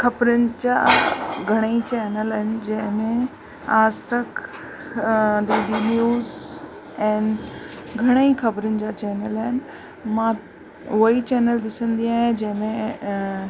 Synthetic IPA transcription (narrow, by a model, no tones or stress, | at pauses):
xɐbɾʊnɪ̆d͡ʑa̰ːɡʱɐɽ̃eit͡ɕɛːnəlaːɦɪnɪ̆d͡ʑɐ̃ɦɪ̃mẽ | aːd͡ʑt̪ɐk | ɖeːɖinjuːz | ɛ̃ːnɡʱɐɽ̃eixɐbɾʊnɪ̆d͡ʑaːt͡ɕɛːnəlaːɦɪnɪ̆ | mã | ʊit͡ɕɛːnəld̪ɪsə̃nd̪iaːɦẽd͡ʑɐ̃ɦɪ̃mẽ